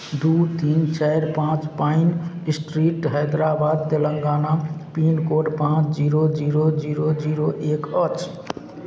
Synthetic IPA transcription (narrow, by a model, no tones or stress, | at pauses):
ɖut̪int͡ʃɛɾpãt͡ʃpainsʈɾiʈɦɛd̪ɾabad̪̚t̪eləŋɡaːnapinkoɖpãt͡ʃd͡ʒiɾod͡ʒiɾod͡ʒiɾod͡ʒiɾoʔekət͡ʃʰ